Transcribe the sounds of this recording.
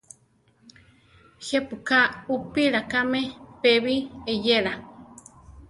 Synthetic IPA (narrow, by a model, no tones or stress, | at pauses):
hepukaupiɾakamẽpeβiejeɾa